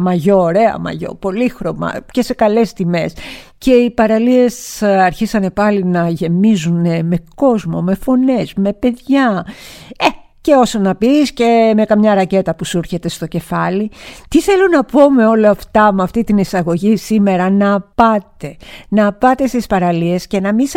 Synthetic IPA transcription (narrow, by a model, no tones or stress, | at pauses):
mɐʝoːɾe̞ɐ̰mɐ̰ʝo̞̰po̞lixɾo̞mɐ̰ce̞se̞kɐle̞st̪ime̞s | ce̞ipɐɾɐlie̞sɐɾçisɐne̞pɐlinɐʝe̞mizune̞me̞ko̞zmo̞me̞fo̞ne̞zme̞pe̞ðʝɐ | e | ce̞o̞sonɐpisce̞me̞kɐmɲɐɾɐce̞t̪ɐpusuɾçe̞t̪e̞st̪o̞ce̞fɐlit̪iθe̞lunɐpo̞me̞o̞lɐːft̪ɐmɐft̪it̪inisɐɣo̞ʝisime̞ɾɐnɐpɐt̪e̞nɐpɐt̪e̞st̪ispɐɾɐlie̞sce̞nɐmis